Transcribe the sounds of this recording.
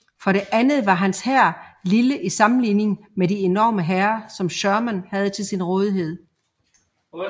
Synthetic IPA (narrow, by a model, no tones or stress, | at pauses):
fɒ̽ɾe̝ʔænð̩ˠʋɑ̈ɦænshæɐ̰liləʔisɑ̈mn̩line̝ŋ | medie̝nɒ̰ːməɦæɐsɒ̽mɕœɐmænhæð̞̩ˠt͡sʰe̝lsinʁɔːð̞ˠiɦe̝ð̞̰ˠ